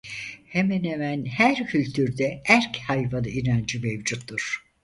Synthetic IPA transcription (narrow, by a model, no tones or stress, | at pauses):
hemænemænhæɾcʰylʲt̪ʰyɾd̪ɛʔæɾchajvanɯinand͡ʒimevd͡ʒut̪ːuɾ̥